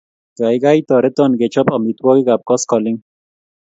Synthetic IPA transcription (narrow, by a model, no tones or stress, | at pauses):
ɡajɡajt̪ɔɾet̪ɔnɡet͡ʃʰɔpɔmit̪wɔɡiɡap̚kɔskɔlɪŋ